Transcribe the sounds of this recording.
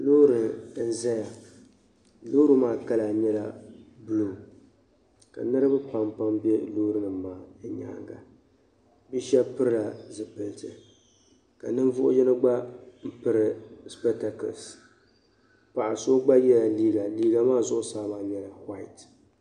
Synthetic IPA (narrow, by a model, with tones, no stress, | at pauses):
lo˦ɾɨ˨˦n̩˨zɛ˦ja˨ | loː˦ɾɨ˨˦maː˦ka˦la˨ɲɛ˦la˦bluː˨ | ka̰˨nɨ˦ɾɨ˦bɨ˦pa˨mpa˦mbɛ˦loː˦ɾɨ˦nɨː˨˦aː˨˦˨ɲa̰ː˨˦ŋɡa̰˨ | bi˦ʃɛ˦pɨ˦ɾɨ˦la˨zɨ˨pɨ˨ltɨ˨ | ka̰˨nɨ˦ɱ˦vʊ˦ʔʊ̰˦jɛ˦nɨ˦ɡ͡ba˦m̩˦pɨ˦ɾɨ˨spɛ˦ta˨ko̰˨s | pa˨ʔa˨so˦ɡ͡ba˦jɛ˦la˨liː˦ɡa˨liː˦ɡa˨maː˦˨zʊ˦ʔʊ˦saː˦ba˨ɲɛ˦la˨hwa˦˨ɪ˨t